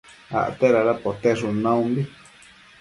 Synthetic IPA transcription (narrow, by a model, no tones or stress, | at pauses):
a̰ʔt̪eɾaɾapot̪eʂunãũmbi